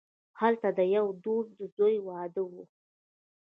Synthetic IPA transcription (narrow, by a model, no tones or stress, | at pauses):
halt̪ad̪əjawd̪osd̪əzojwɑd̪əwu